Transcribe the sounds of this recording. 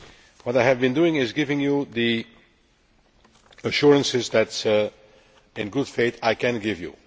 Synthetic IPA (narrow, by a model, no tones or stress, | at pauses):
wʌɾaɪɨvbɨ̃nduɪ̃ŋɪzɡɪvɪ̃ŋjuði | əʃʊɹə̃nsɪzðæts | ɪ̃nɡʊd̥feɪtaɪkʰɨ̃nɡɪvjṵ